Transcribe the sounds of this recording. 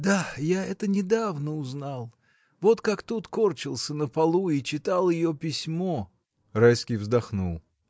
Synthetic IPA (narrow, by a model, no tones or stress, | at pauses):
d̪ajaɛt̪ənʲɪd̪avnəʊznalˠ | vo̞t̪kakt̪ut̪kort͡ɕɪlˠsʲənəpɐlˠuit͡ɕɪt̪alˠjɪjopʲɪsʲmo̞ | rajskʲɪjvzd̪ɐxnulˠ